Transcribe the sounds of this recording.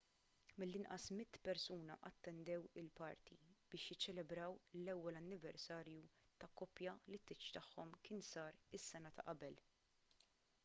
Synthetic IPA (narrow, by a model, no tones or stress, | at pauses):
mɪlːɪnʔɐsmɪt̪ːpɛɾsuːnɐʔɐt̪ːɛnd̪ɛwɪlpɐɾt̪ḭb̥ɪːʃjɪt͡ʃːɛlɛbɾɐwlɛwːɛlɐnːɪvɛɾsɐːɾju | t̪ɐkːɔːpjɐlɪt̪ːɪt͡ʃːt̪ɐħːɔmkɪːnsɐːɾɪsːɛnɐt̪ʰɐ̰ʔɐbɛl